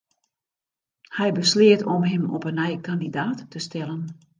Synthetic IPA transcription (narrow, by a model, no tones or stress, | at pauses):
hɛjbəslɪətʰɔmɦɛmɔ̰pənɛjkandidaːtːəstʰɛlən